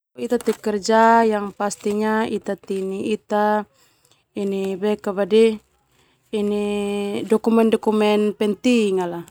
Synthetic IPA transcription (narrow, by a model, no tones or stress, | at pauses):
it̪at̪ɛkɛrd͡ʒajaŋpast̪iɲait̪at̪iniit̪a | inibɛkabadɛ | inidɔkumɛndɔkumɛnpɛnt̪iŋala